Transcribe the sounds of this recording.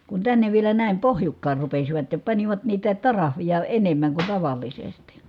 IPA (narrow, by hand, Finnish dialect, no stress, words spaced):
kun tænːeʋ ʋielæ næˑim pohjukːɑːr rupesiʋɑt jɑ pɑniʋɑt niːtæ tɑrɑhʋijɑ enemːæŋ kun tɑʋɑˑlːisesti